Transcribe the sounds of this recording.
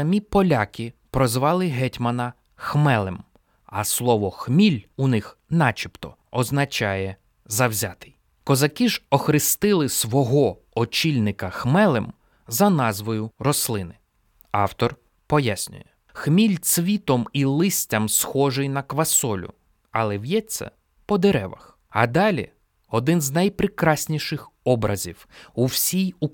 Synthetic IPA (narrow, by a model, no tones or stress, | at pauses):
ɐmʲipɔlʲakʲipɾɔzʋɑlˠɪɦɛtʲmɐnɐ | xmɛlˠem | ɐslˠɔʋɔxmʲilʲunɪxnɑt͡ʃʲipt̪ɔ | ɔznɐt͡ʃɑjɛ | zɐwzʲat̪ɪj | kɔzɐkʲiʒɔxɾɪst̪ɪlˠɪsʋɔɦɔ | ɔt͡ʃʲilʲnɪkɐxmɛlˠem | zɐnɑzʋɔjʊɾɔslˠɪnɪ | ɑwt̪ɔr | pɔjasʲnʲʊ̰jɛ | xmʲilʲt͡ssʲʋʲit̪ɔmilˠɪsʲtʲɐmsxɔʒɪjnɐkʋɐsɔlʲʊ̰ | ɐlˠɛwjɛt͡sʲːɐ̰ | pɔd̪eɾɛʋɐ̰x | ɐd̪ɑlʲḭ | ɔd̪ɪnznɐjpɾɪkɾɑsʲnʲiʃɪxɔbɾɐzʲiwuwsʲiju